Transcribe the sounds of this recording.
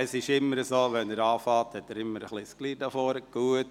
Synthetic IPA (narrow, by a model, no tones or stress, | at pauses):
əsɪʃɪmːəɾəsoːʋɛnəɾɑːfɑːthɛt̪ːəɾɪmːəɾəχliskliːdɑfoːɾəɡ̥uət